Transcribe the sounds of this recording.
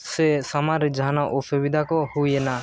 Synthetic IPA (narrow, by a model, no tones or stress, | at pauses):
sɛsamaɾid͡ʒanaʔɔsɔbid̪ʱakɔhujɛna